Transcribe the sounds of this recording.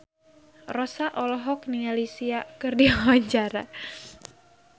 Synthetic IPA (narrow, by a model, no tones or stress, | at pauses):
rɔsaʔɔlɔɦɔknialisiakɨrdiawaɲt͡ʃaɾa̰